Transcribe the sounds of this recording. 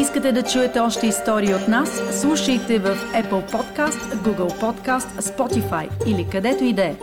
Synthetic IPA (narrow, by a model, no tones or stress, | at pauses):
iskət̪ɛd̪ɐt͡ʃuɛt̪ɛɔʃt̪ɛist̪ɔɾiəot̪nasːlˠuʃəjt̪ɛvəfɛpəlˠpɔt̪kast̪ɡuɡəlˠpɔt̪kast̪spɔt̪ifajilikɐd̪ɛt̪oid̪ɛ